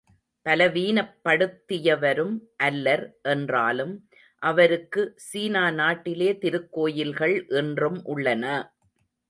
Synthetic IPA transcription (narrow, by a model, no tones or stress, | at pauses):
pɐlɐʋiːnɐpːɐɽɯt̪ːɪjɐʋɐɾɯmʔɐlːɐɾʔɛndra̰ːlɯm | ʔɐʋɐɾɯkːɯsiːnaːnaːʈːɪleːt̪ɪɾɯkːoːjɪlɣɐɭʔɛndrɯmʔʊɭːɐnɐ